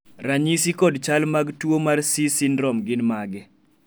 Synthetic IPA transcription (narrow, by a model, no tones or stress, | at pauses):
raɲisikɔdt͡ʃalmaɡtwomarsisɪndɾɔmɡɪnmaɡɛ